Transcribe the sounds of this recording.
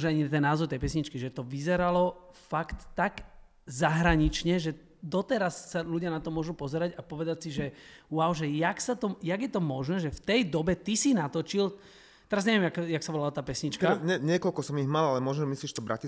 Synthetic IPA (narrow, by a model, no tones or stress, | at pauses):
ʒɛaɲit̪ɛnːaːzɔwt̪ɛjpɛsɲit͡ʃkiʒɛt̪ɔʋizɛɾalɔ | fakt̪ːaɡ | zaɦɾaɲit͡ʃɲɛʒɛ | d̪ɔt̪ɛɾasːaluɟɪanat̪ɔmʊɔʒupɔzɛɾaɟapɔʋɛd̪acsiʒɛʊaʊʒɛjaksat̪ɔjaɡjɛt̪ɔmɔʒnɛːʒɛft̪ɛjd̪ɔbɛt̪isinat̪ɔt͡ʃil | t̪ɛɾazɲɛʋɛmakjaksabɔlaɔt̪aːpɛsɲit͡ʃkaɲɛɲɪɛkɔlkɔsɔmiɦmalalɛmɔʒnɔmisliːʃɛt̪ɔbɾaci